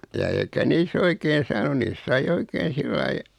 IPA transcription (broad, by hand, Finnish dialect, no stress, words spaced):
jɑ eikæ niːs oikeːn̞ sɑːnu niːs sɑi oikeːn̞ silːɑi